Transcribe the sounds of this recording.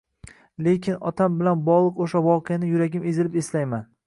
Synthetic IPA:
le̞kʲʰɪnɒ̰t̪ʰambɪlanbɒʁlˠɨqoʃavɒqʰɨjanɪjʊɾaɡʲɪmezɪlɪpeslajman

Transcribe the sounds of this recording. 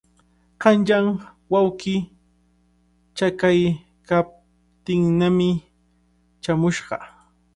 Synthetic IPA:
ɢɑnʎaŋ | wawkɪ | t͡ʃakaj | kap̚ | t̪ɪŋnamɪ | t͡ʃamʊʃɢɑ̰

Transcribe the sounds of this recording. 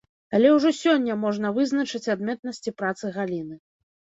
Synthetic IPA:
alʲɛwʐɔsʲɔnʲːɐmɔʐnɐvɨznɐt͡ʂɨt͡sʲad̪mʲɛt̪̚nɐsʲt͡sʲipɾat̪sɨɣalʲinɨ

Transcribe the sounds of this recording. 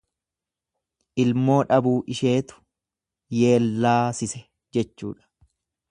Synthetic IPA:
ʔɪlmo̞ːᶑɐbuːʔɪʃe̞ːt̪ʊ̥ | je̞ːlːaːsɪsɛ | d͡ʒɛt͡ʃːuːᶑɐ̥

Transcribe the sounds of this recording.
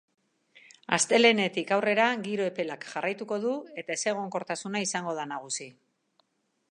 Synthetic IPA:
a̰st̪e̞le̞ne̞t̪ikawre̞ɾaɣiɾo̞e̞pe̞lakʝarajt̪uko̞ðue̞t̪ae̞se̞ɣ̞o̞ŋko̞ɾt̪asunaisaŋɡo̞ð̞anaɣ̞usi

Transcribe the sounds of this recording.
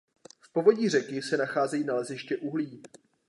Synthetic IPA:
fpo̞vo̞ɟiːr̝ɛkɪsɛnaxaːzɛjiːnalɛzɪʃcɛʔuɦliː

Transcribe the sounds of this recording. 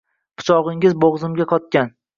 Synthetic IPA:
pʰʊ̥t͡ʃʰɒʁɪŋɪzboʁzɪmɡʲaqʰɒt̪̚kʲan

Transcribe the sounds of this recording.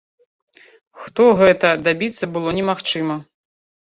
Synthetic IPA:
xt̪ɔɣɛt̪ɐd̪abʲit̪sːɐbɨlˠɔnʲɛmaxt͡ʂɨmɐ

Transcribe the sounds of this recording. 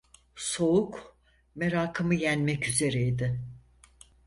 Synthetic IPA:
so̞uk | me̞ɾaːkʰɯmɯjænmɛcyze̞ɾɛid̪ɪ

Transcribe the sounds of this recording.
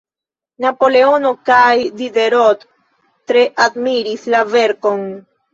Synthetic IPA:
napoleonokajd̪id̪eɾot̪ː | ɾeʔad̪miɾislaveɾkoŋ

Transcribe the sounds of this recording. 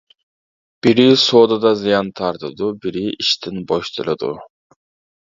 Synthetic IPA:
b̥iɾisoːd̪ɑd̪ɑzɨjɑnt̪ʰɑɾt̪ɯd̪ubiɾiʔiʃt̪inboʃt̪ʰɯlɯd̪ṵ

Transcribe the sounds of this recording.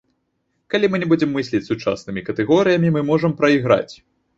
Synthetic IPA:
kalʲimɨnʲɛbud͡zʲɛmːɨsʲlʲit͡sʲsut͡ʂa̰snɨmʲikɐt̪ɛɣɔɾɨjɐmʲimɨmɔʐɐmpɾɐiɣɾa̰t͡sʲ

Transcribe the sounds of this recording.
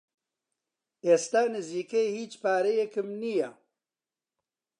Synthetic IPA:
eːst̪aːnɨziːkejhiːt͡ʃpaːɾejekɨmnija

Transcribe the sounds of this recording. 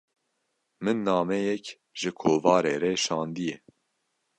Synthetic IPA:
mɨnːɑːmɛjɛk | ʒɨkʰoːvɑːɾeːɾɛʃɑːnd̪ijɛ

